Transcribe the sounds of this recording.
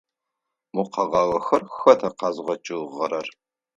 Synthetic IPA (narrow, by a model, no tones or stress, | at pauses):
muqɐʁɑwɐxɐrxɐtʰɐqɑːzʁɐt͡ʃʼɨʁɐɾɐr